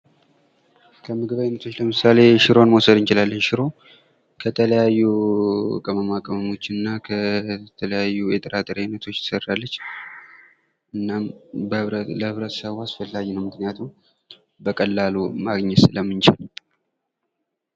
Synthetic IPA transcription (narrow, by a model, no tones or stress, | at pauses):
kʰəmɨɡɨβajnət̪ʰo̞t͡ʃːləmɨsale̞ʃɪɾonmowsəd̪ɨnt͡ʃɪlalːəɲʃɪɾo̞ | kʰət̪ʰələjajːu | kʼəməmakʼəməmo̞t͡ʃːɪnɨnːakʰət̪ʰələjajːujɛt̪ʼəɾat̪ʼɨɾjajnːət̪ʰo̞t͡ʃ̪ːɨ̥sərːalːət͡ʃː | ʔɨnːambələhɨβɾət̪səβasfəlːajːnəwmɨknijat̪ʰum | bəkʼəlːalomaɡɲɛt̪ɨləmːɨnt͡ʃɪl